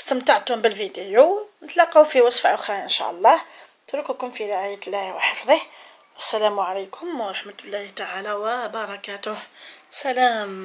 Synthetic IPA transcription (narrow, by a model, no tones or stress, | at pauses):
əst̪əmt̪aʕt̪hʊmbəlvid̪ijunət̪lɑqːɑwfiwɑsˤfaʔʊxɾˤɑʔənʃæ̰ʔɑlˤːɑh | t̪ɾukukʊmfiɾeʕajət̪lːæhwəħɑfðˤih | ʔəsːælæmʕalajkʰʊmwɑɾˤɑħmət̪lːɑht̪aʕalæwəbɑɾˤɑkæt̪ʊhsælæm